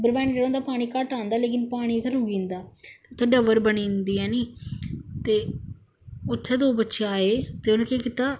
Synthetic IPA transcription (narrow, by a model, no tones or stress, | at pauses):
bəɾʋaːnd͡ʒeɽãoːnd̪aːpaːɽ̃iːkəʈaːnd̪aːleːk̬ɪnpaːɽ̃iːt̪ʰːeɾʊɡĩːnd̪aːt̪eːʊt̪ʰːeːɖəʋəɾbəniːnd̪iːɛːniː | t̪eː | ʊt̪ʰːeːd̪oːbətːʃeːaːeːt̪eːʊnãːkeːkɪt̪aː